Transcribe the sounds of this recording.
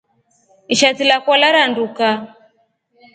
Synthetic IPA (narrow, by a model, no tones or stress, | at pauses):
iʃatilakwɔlaɾanduka